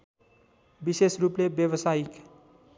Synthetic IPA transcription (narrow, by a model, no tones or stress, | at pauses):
bisesruplebjebʌsaik